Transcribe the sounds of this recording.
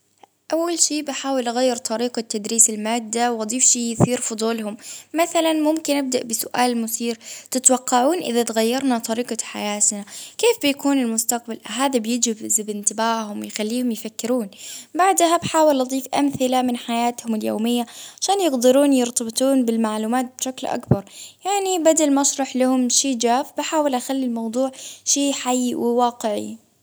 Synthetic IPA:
ʔawːalʃiːbħaːwɪlʔaɣajːɪɾt̪ˤɑɾiːqat̪ːad̪ɾiːsɪlmaːd̪ːawʔɑd̪ˤiːfʃiːjɪθiːɾfʊd̪ˤuːlhʊmmaθalanmʊmkɪnʔab̚d̪aʔbɪsʊʔaːlmʊθiːɾt̪ɪt̪wɑqːɑʕuːnʔɪ̰ðat̪ɣajːɑɾˤnat̪ˤɑɾiːqɑħa̰jaːt̪nakeːfbɪjakuːnɪlmʊst̪aq̚balʔɦaːðabjɪd͡ʒɪbzɪbɪnt̪ɪbaːʕhʊmwjɪxalːiːhʊmjɪfakːɪɾuːnbaʕd̪habħaːwɪlʔɑd̪ˤiːfʔa̰mθɪlamɪnħajaːt̪hʊmɪljo̰ːmɪjːaʕaʃaːnjɪqd̪ɪɾuːnjɨɾt̪ɑbt̪ˤuːnbɪlmaʕluːmaːt̪̚bʃaklʔa̰kbɑɾˤjaʕnibad̪almɑʃɾˤɑħlahʊmʃiːd͡ʒaːfbɪħaːwɪlʔaxalːilmɑwd̪ˤuːʕʃiːħajːwɪwɑːqɪʕḭ

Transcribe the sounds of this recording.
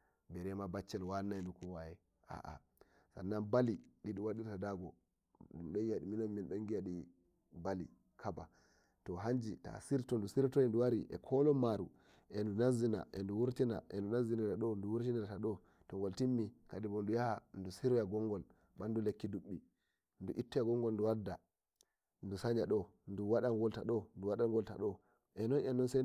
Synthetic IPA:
bɛɾɛmabat͡ʃːɛlwanːandukuwajɛ | a̰ʔa̰ | sa̰nːanbaliɗiɗuwaɗiɾtadaɡɔ | ɗdumɗɔjijaɗiminɔmminɗɔŋɡijaɗi | bali | kʰaba | tɔɦaɲd͡ʒita̰siɾtɔndusiɾtɔɛnduwaɾiʔɛ̰kʰɔlɔmaɾu | ʔɛndunazina̰ʔɛ̰nduwuɾtina̰ʔɛ̰ndunaziniɾaɗɔnduwuɾtiniataɗɔ | tɔŋɡɔltimːikadibɔndujahandusiɾɔjaɡɔŋɡɔl | ɓandulekːiduɓːi | nduʔitːɔjaɡɔŋɡɔlnduwadːa | ndusaɲaɗɔ | nduwaɗaŋɡɔltaɗɔnduwaɗaɡɔlta̰ɗɔ | ʔɛnɔnɛnɔnsɛ

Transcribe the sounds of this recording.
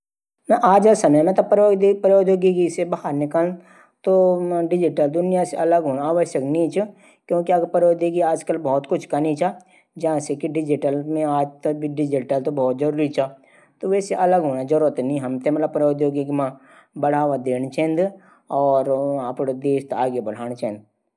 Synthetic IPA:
naʔaːd͡ʒasɐməjmẽt̪ɐpɾod̪pəɾoːd̪joːɡiɡisebɐɦaɾnɪkəl | t̪oɖɪd͡ʒɪʈəld̪ʊnɪjaseɐləɡɦoːnaaːʋəʃjəkniːt͡ʃ | kjõːkiɐɡɾpɐɾoːd̪iɡiaːd͡ʒkəlbɔːt̪kʊt͡ʃʰkanit͡ʃaː | d͡ʒɐãsekiɖɪd͡ʒɪʈəlmẽaːd͡ʒt̪ɐk̚bʱiɖɪd͡ʒɪʈəlt̪obʱɔːt̪̚zɐɾuːɾit͡ʃʰaː | t̪oʋɛːseʔɐləɡɦoːnad͡ʒɐɾuɾət̪nĩɦɐmt̪emɐt̪ləbpəɾoːd̪joːɡikimã | bɐɽ̤aːʋad̪eːɽ̃t͡ʃɛ̃ːnd̪ | ɔːɾɐpɽod̪eːʃt̪aːɡebɐɽ̤aːɽ̃t͡ʃɛ̃ːnd̪

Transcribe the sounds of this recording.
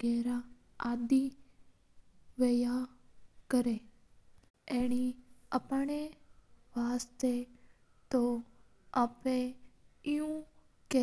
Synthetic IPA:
ɛːɾa | aːd̪i | ʋejakəɾe | ɛːɽ̃iəpɳeʋaːst̪e | t̪o | aːpẽɪjũ | kɛ

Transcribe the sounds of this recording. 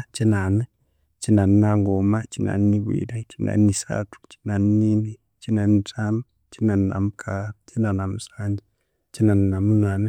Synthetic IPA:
t͡ʃinane | t͡ʃinaninaŋɡomat͡ʃina̰niniβwḭɾat͡ʃina̰isa̰tʰu̥t͡ʃi̥nannini | t͡ʃinanitami | t͡ʃinana̰mukʰat͡ʃinanamusaɲd͡ʒi | t͡ʃinannamunane

